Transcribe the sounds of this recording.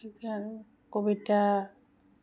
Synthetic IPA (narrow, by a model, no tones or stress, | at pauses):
ikan | kobita